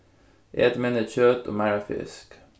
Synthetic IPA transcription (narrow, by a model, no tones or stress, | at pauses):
ʔḛːt̪mɛnəçøːt̪o̰ːmæɹɑfɪ̰sk